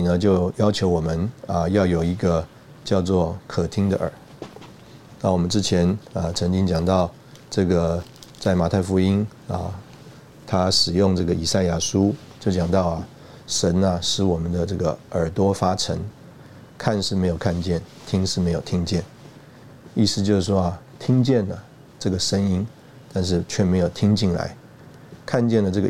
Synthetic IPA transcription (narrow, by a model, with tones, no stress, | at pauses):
i˨˩nə˦t͡ɕjo˥˩˧ʊjɑ˥ʊt͡ɕʰjo˧˥ʊwɔ˨˩mə˦nə˧jɑ˥˩ʊjo˨˩ʊi˧˥ɡə˧ | t͡ɕjɑ˥˧ʊt͡swɔ˥˩kʰɤ˨˩t̪ʰi˥ŋd̪ə˨ʔə̰˞˨˩˦ | na˥˩wɔ˨˩mə˦nʈ͡ʂɻ̩˥t͡ɕʰjɛ˧˥nə˧t͡sʰɤ˧˥ŋt͡ɕi˥ŋt͡ɕjɑ˨˩ŋt̪ɑ˥˧ʊ | ʈ͡ʂɤ˥˩ɡə˩t͡sa˥˩ɪma˨˩t̪ʰa˥˩ɪfu˧˥i˥n | ə˧ | t̪ʰa˥ʂɻ̩˨˩jʊ˥˧ŋʈ͡ʂɤ˥˩ɡə˩i˨˩sa˥˩˧ɪja˥˩ʂu˥ | t͡ɕjo˥˩ʊt͡ɕjɑ˨˩ŋt̪ɑ˥˩ʊɐ˩ | ʂə˧˥nɐ˧ʂɻ̩˧˥wɔ˨˩mə˦nd̪ə˧ʈ͡ʂɤ˥˩ɡə̰˩ə˞˨˩t̪wɔ˥fa˥ʈ͡ʂʰə̰˧˥ŋ | kʰa˥˧nʂɻ̩˥˩me˧˥ɪjo˨˩ʊkʰa˥˧nt͡ɕjɛ˥˩n | t̪ʰi˥ŋʂɻ̩˥˩me˧˥ɪjo˨˩ʊt̪ʰi˥ŋt͡ɕjɛ˥˩n | i˥˩sɹ̩˧t͡ɕjo˥˧ʊʂ̩˥˩wɔ˥ɐ˨˩ | t̪ʰi˥ŋt͡ɕjɛ˥˩nlə˩ | ʈ͡ʂɤ˥˩ɡə˩ʂə˥ŋi˥n | t̪a˥˧nʂ̬ɻ̩˥˩t͡ɕʰɥɛ˥˩me˧˥ɪjo˨˩ʊt̪ʰi˥ŋt͡ɕi˥˩ŋla̰˧˥ɪ | kʰa˥˧nt͡ɕjɛ˥˩nlə˩ʈ͡ʂɤ˥˩ɡə˨